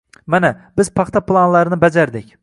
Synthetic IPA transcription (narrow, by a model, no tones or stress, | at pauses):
manabɪz̥pʰɑχt̪ʰaplˠanlaɾɪnɪbad͡ʒaɾd̪ɪkʲ